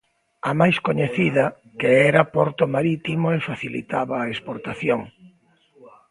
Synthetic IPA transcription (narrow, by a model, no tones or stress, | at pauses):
amajskoɲeθiðɐ | keɛɾɐpɔɾt̪omaɾit̪imoefaθilḭt̪aβɐːespoɾt̪aθjoŋ